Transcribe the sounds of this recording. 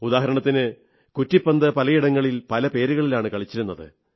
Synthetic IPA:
ud̪aːɦɐɾɐɳɐt̪ːinɨ | kutːipːɐnd̪ɐpɐlɐjiɽɐŋːɐɭilpɐlɐpe̞ːɾuɣɐɭilaːɳɨkɐɭit͡ɕːiɾunːɐðɨ̰

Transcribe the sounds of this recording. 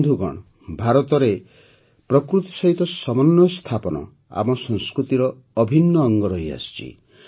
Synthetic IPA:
d̪ʱuɡɔ̰ɽ̃ | bʱaɾɔt̪ɔɾe | pɾɔkɾut̪i̥sɔɦit̪ɔsɔmɔnːɔst̪ʰapɔnɔ̰ | a̰mɔsɔŋskɾut̪iɾɔː | bʱinːɔːŋɡɔɾɔɦja̰st͡ʃḭ

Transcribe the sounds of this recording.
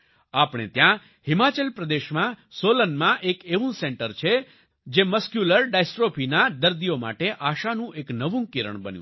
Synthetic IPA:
apɳ̃ḛt̪jã | himat͡ʃəlpɾəd̪eʃmãsolənmãʔekeʋũsɛɳʈəɾt͡ʃʰe | d͡ʒeməskjuləɾɖajsʈɾopʰinad̪əɾd̪ijoma̰ʈeʔaʃanũʔeknəʋũkiɾə̰ɳbənjṵ̃

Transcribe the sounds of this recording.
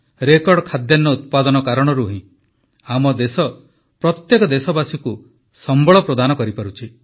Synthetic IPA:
ɾekɔɽɔkʰad̪janːɔut̪̚pad̪ɔnɔkaɾɔɽ̃ɔɾuɦĩ | amɔd̪esɔ | pɾɔt̪jekɔd̪esɔbasuku | sɔmbɔɭɔpɾɔd̪anɔkɔɾipaɾut͡ʃʰi

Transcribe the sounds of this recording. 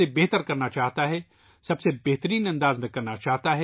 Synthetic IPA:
ebɛɦt̪əɾkɐɾnat͡ʃaːɦt̪aɦɛ | sɐbsebɛɦt̪əɾiːnɐ̃nd̪aːzmẽkɐɾnat͡ʃaːɦt̪aɦɛ

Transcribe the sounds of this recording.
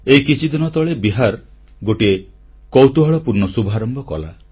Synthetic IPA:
ejkit͡ʃʰid̪inɔt̪ɔɭebiɦaɾ | ɡoʈie | kowt̪uɦɔɭɔpuɾnɔsubʱaɾɔmbɔkɔ̰la

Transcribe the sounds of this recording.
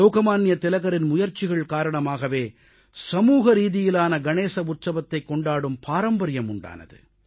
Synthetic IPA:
oːɣɐmaːnɪjɐt̪ɪlɐɣɐɾɪnmʊjɐɾt͡ʃɪɣɐɭkaːɾɐɳɐmaːɣɐʋeː | sɐmuːɣɐɾiːðɪjɪlaːnɐɡɐneːsɐʊt̪sɐʋɐt̪ːɐɪkːɔɳɖaːɽɯmpʰaːɾɐmbɐɾɪjɐmʊɳɖa̰ːnɐ̰ðɯ̰

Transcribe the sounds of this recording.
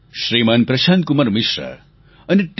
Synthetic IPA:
ʃɾiːmaːnpɾɐʃaːnt̪̚kumɐɾmiʃɾɐ̰ | ɐniʈ

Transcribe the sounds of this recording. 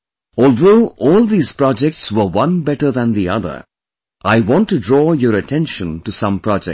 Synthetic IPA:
ɔːld̪oːʔɔːlˠd̪iːz̥pɹɑd͡ʒɛk̚ʈswəwʌ̃nbɛʈəɾðæ̃nd̪iʌ̰ðə̰˞ | ʔaɪwɔ̃nʈːuɖɾɔːjɔɾəʈʰɛ̃nʃə̃nʈusʌ̃mpɹɑd͡ʒɛ̰k̚

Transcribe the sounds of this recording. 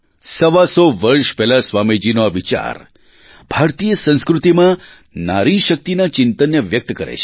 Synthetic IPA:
səʋasoʋəɾʃpɛɦlasʋamid͡ʒinoaʋit͡ʃa̰ɾ | b̥ʱaɾt̪ijəsə̃ñskɾut̪imã | naɾiʃək̚t̪inat͡ʃɪnt̪ənjəʋjək̚t̪kəɾḛt͡ʃʰe̥

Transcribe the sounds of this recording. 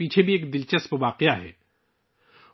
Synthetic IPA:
iːt͡ʃʰebʱieːkd̪ɪlt͡ʃəspʋaːqɪjaɦɛ̰ː

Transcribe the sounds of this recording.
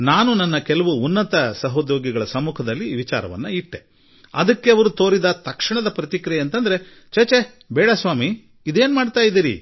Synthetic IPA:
naːnunɐnːɐkɛlɐʋuːnːɐt̪ɐsɐɦoːd͡ʒ̪oːɡiɡɐɭɐsɐmːuːkʰɐd̪ɐlːiʋit͡ʃa̰ːɾɐʋɐ̰nːɐiʈːe | ɐd̪ɐkːe̞ɐʋɐɾut̪o̞ːɾid̪ɐt̪ɐkʂiɳɐd̪ɐpɾɐt̪ikɾɛɐnt̪ɐnd̪ɐɾe̞ | t͡ʃɐt͡ʃe | bɛːɽɐsʋaːmi | id̪e̞ːnmaːɖt̪aːjid̪iːɾḭ

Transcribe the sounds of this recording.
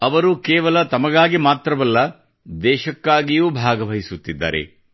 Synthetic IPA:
ɐʋɐɾukɛːʋɐlɐt̪ɐmɐɡaːɡimaːt̪ɾɐʋɐlːɐ | d̪ɛːʃɐkːaːɡijuːbʱaːɡɐʋɐɦisut̪ːid̪ːa̰ːɾe̞̰

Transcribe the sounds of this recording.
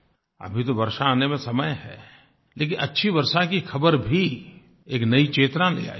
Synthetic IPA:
ɐ̰bʱit̪oʋɐɾʃaːnemẽsɐməjɦɛ̰ː | leːk̬ɪ̃nʔɐtːʃʰiʋɐɾʃakixʰɐbəɾbʱi | eːknɐit͡ʃeːt̪ɾalḛa̰ː

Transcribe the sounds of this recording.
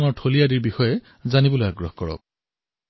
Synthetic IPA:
ŋɔɹtʰolijadiɹbixɔjɛ | zanibɔlojaɡɹɔhkɔɹɔ̰k̚

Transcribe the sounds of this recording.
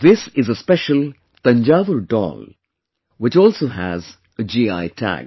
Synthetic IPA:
ðɪsɪzəspɛʃəl | t̪ʌ̃nd͡ʒaːʋəlɖɔ̰ːl | wɪt͡ʃɔːlsoːɦæz | əd͡ʒiːa̰ɪtʰæ̰ɡ

